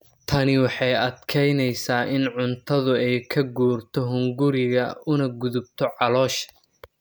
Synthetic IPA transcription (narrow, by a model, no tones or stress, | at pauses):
t̪ʰɐnɪwɑħɑjɐd̪kʰɛjnɛjsaːʔɪnʕʊnt̪ʰɐðʊɛjkʰɐɡuːrt̪ʰɔɦʊŋɡʊɾɪɣɐʊnɐɡʊðʊb̚t̪ʰɔʕɑlɔːʃ